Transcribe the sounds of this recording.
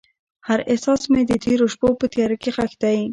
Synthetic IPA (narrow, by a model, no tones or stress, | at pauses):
haɾʔɪsɑsmed̪ət̪ʰeɾoʃpopət̪jɑɾəkexaxt̪aji